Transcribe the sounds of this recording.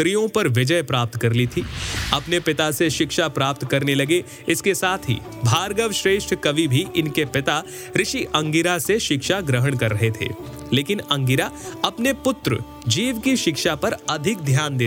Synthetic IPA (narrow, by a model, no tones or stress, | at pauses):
ɾijõpɐɾʋɪd͡ʒəjpɾaːp̚t̪kɐɾlit̪ʰiːɐpnepɪt̪aseʃɪkʃapɾaːp̚t̪kɐɾnelɐɡe | ɪskesaːt̪ʰɦḭː | bʱaːɾɡəʋʃɾeːʃʈʰkɐʋibʱiʔɪnkepɪt̪a | ɾɪʃiʔɐ̃ŋɡɪɾaseʃɪkʃaɡɾəɦəɽ̃kɐɾːɐɦet̪ʰḛː | leːkɪnɐ̃ŋɡɪɾaɐpnepʊt̪ɾə̰ | d͡ʒiːʋkiʃɪkʃapɐɾɐd̪ʱɪk̚d̪ʱjaːnd̪eː